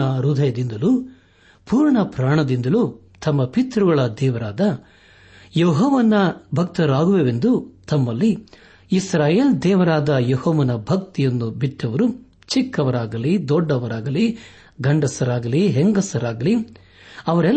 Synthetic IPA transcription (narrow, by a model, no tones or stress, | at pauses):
ɐɾud̪ʱɐjɐd̪ind̪ɐlu | puːɾɳɐpɾaːɳɐd̪ind̪ɐlu | t̪ɐmːɐpit̪ɾuɡɐɭɐd̪ɛːʋɐɾaːd̪ɐ | jɔːɦɔʋɐnːɐbʱɐk̚t̪ɐɾaːɡuʋeʋe̞nd̪ut̪ɐmːɐlːiː | sɾaːjeːld̪ɛːʋɐɾaːd̪ɐjɔhoːʋɐnɐbʱɐk̚t̪ijɐnːubiʈːɐʋɐɾu | t͡ʃikːɐʋɐɾaːɡɐlid̪ɔɖːɐʋɐɾaːɡɐli | ɡɐɳɖɐsɐɾaːɡɐliɦeŋɡɐsɐɾaːɡɐli | ɐʋɐɾɛ